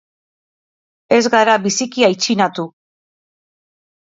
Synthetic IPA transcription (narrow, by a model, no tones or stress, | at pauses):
e̞zɡaɾaβisikiajt͡ʃinat̪u